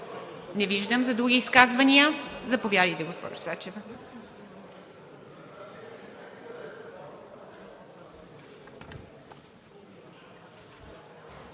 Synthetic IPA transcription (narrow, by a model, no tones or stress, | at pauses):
nɛviʒd̪əmzɐd̪ɾuɡʲiːskazvɐnʲijəzɐpovjad̪əjt̪ɛɡospɔ̰ʒʊsat͡ʃɛv